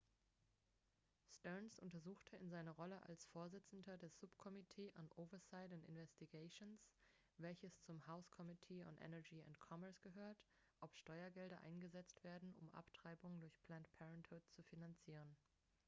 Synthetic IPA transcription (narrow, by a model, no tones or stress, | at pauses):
stœnsʔʊntɐzuːxtʰəɪnzaɪnɐʁɔləʔa̰lsfoːɐzɪt͡sn̩dɐdeːɐz̥ʊpkʰɔmitʰeːʔanʔoʊvɐsaɪtantɪ̰nvɛstiɡaɪʃons | vɛlçəst͡sʊmhaʊskʰɔmitʰeːʊ̰nʔɛ̰nɛɐd͡ʒiːʊ̰ntkʰɔmɛɐsɡ̥əɦøːɐtʔɔpʃtɔʏɐɡɛldɐʔa̰ɪnɡəzɛt͡stv̥eːɐdn̩ʊ̰mʔa̰ptʁ̥aɪbʊŋəndʊɐçpʰl̥antpʰɛʁɛnthʊt̚t͡sufinant͡siːʁ̞ən